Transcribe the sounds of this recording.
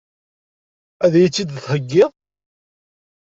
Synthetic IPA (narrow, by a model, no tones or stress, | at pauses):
æðæjit͡sːid̪θhəɡːɪðˤ